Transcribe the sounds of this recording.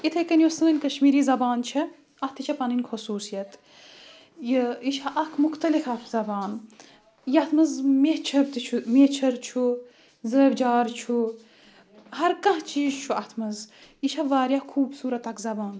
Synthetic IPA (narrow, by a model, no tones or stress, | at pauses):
it̪ʰɐkɐnjosəːnʲkɐʃmiːɾiːzɐbaːnt͡ʃʰɐ | ɐt̪ʰit͡ʃʰɐpɐnɨnʲkʰosuːsijɐt̪ | jiiʃaʔɐkʰmuxt̪ɐlikɐfzɐbaːn | jɐt̪ʰmɐzmet͡ʃʰɐb̚d̪ɨt͡ʃʰumet͡ʃʰɐɾt͡ʃʰu | zəːbd͡ʒaːɾt͡ʃʰu | ɦɐɾkɐ̃ɦt͡ʃiːzt͡ʃʰuɐt̪ʰmɐziʃɐʋaːɾjaːkʰuːbsuːɾɐt̪ɐkzɐbaːn